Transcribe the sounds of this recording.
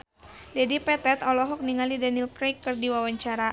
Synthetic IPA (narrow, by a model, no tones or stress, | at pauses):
dɛdipɛt̪ɛt̪ɔlɔɦɔk̚niŋalidanilkɾejkːɨrdiwawaɲt͡ʃaɾa